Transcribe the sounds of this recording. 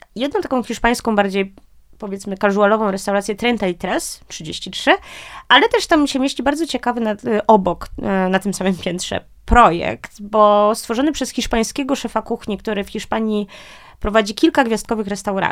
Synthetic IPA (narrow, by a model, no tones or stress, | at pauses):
jɛd̪̚nɔ̃t̪akɔ̃w̃xʲiʂpaj̃skɔ̃baɾd͡ʑej | pɔvʲjɛt̪smɘkaʐualɔvɔ̃w̃ɾɛst̪awɾat̪sʲjɛt̪ɾɛnt̪ait̪ɾɛstʂɘd͡ʑeɕt͡ɕitʂɘʔalɛt̪ɛʂt̪amːɕɛmʲeɕlʲibaɾd̪zɔt͡ɕɛkavɘnaʔɔbɔknat̪ɘmsamɘmpʲjɛnt̪ʂɛ̰ | pɾɔjɛ̰kt̪bɔst̪fɔʐɔnɘpʂɛsxʲiʂpaj̃skʲɛɡɔʂɛfakuxɲikt̪uɾɘfxʲiʂpaɲi | pɾɔvad͡ʑikʲilkaɡvʲjast̪̚kɔvɘxɾɛst̪awɾa̰